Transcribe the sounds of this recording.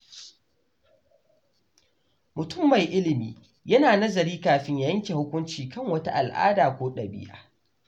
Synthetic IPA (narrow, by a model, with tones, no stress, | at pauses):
mʊ˨tʊ˦˨mːa˨jʔɪ˦lɪ˨mḭː˨ | jɐ˦naː˨nɐ˦zɐ˨ɾiː˦kaː˨ɸɪ˦ɲja˨jɐ˦ŋkʲe˨hʊ˦kʷʊ˦nt͡ʃiː˨kɐ˦˨ŋwɐ˦ta̰˦ʔa˨lʔa̰ː˦daː˨kʷoː˦ɗɐ˨bɪ̰˦ja̰ː˦